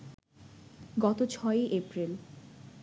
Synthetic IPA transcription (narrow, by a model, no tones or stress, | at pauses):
ɡɔt̪ot͡ɕʰɔeʔepɾil